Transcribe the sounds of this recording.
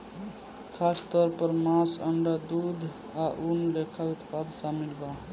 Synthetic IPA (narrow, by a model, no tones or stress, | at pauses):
kʰaːst̪ɔːɾpəɾmãsə̰ɳɖad̪ud̪ʱ | aʔunlekʰəkt̪pad̪samilba